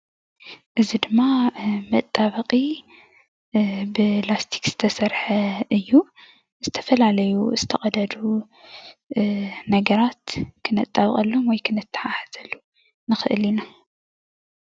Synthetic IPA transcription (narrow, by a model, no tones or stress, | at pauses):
ʔɨzid̪ɨmːamɐt̪ʼːaβɐqʼi | bɨlast̪ʰi̥kz̥ɨ̥t̪ʰɐsɐɾħɐɨjːu | z̥ɨt̪ʰɐ̥fɐlalɐjuzɨt̪ʰɐχʼɐd̪ɐd̪u | nɐɡɐɾat̪kʰɨnɐt̪ʼːaβχʼɐlːomwɔjkʰɨnɨt̪ʰːɨ̥ħaħɨz̥ɐlːu | nɨxɨʔɨlina